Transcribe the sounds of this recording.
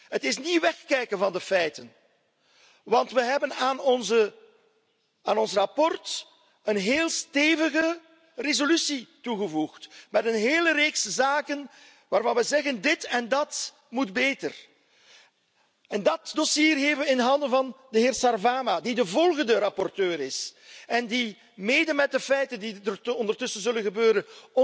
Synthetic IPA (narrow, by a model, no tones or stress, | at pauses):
ɦətɪsniʋɛxkɛjkənvɑndəfɛjtən | ʋɑntʋəɦɛbənaːnɔnzə | aːnɔnsrɑpɔrt | ənɦeːlˠsteːvəɣə | rezolysituɣəvuxtmɛtənɦeːləɾeːkszaːkən | ʋaːrvɑnʋɛzɛɣəndɪtɛndɑt | mudbeːtə̰r | ɛndɑt̚dosiːrɦevəʋəɪndɦɑndənvɑndəɦeːrsɑrvaːmadidəvɔlˠɣəndəɾɑpɔrtøːɾɪsɛndi | meːdənmɛt̚dəfɛjtəndidəɔndərtɵsənzɵlənɣəbøːɾənɔ